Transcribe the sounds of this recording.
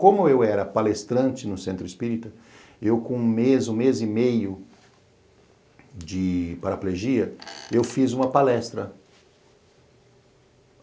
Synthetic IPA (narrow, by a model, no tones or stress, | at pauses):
kõmʊewɛɾɐpalest̪ɾɐ̃nt͡ʃɪnʊsẽnt̪ɾʊɪspiɾit̪ʊ | ewkõũmezũmezimejʊ | d͡ʒɪpaɾapleʒiɐewfizũmɐpalɛst̪ɾɐ